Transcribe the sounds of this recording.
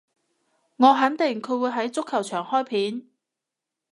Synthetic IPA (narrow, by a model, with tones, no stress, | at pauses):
ŋɔː˨˧ɦɐ˨˥nt̪ɪ˨˩ŋkʰɵ˨˧ɥwuː˨˧jɦɐ˨˥jt͡sʊ˥kʰːɐ˨˩wt͡ʃʰœː˨˩ŋhɔː˥jpʰiː˨˥n